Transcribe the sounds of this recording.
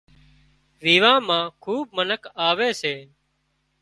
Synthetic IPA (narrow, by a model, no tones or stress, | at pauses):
ʋiːʋãːmãːkʰuːb̚mənəkʰaːʋeːseː